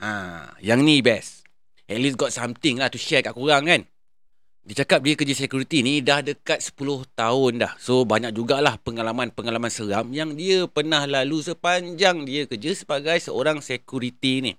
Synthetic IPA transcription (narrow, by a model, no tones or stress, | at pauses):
ʔã̰jaŋnibɛs | ɛt̪̚lisɡɔt̪̚samt̪ɪŋlaht̪uʃɛkaʔkuɾaŋkan | dit͡ʃakap̚diəkəd͡ʒəsekjuɾit̪inidahdəkat̪̚sə̥pulʊht̪aʊndahsobaɲak̚d͡ʒuɡalahpəŋalamanpəŋalamansəɾamjaŋdiəpərnahlalusəpaɲd͡ʒaŋdiəkəd͡ʒəsəbaɡajsəoɾaŋsekjuɾit̪inḭ